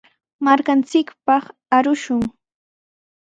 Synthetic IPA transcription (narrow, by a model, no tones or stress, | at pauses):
maɾkant͡sɪkpɑχ | aɾʊʃʊŋ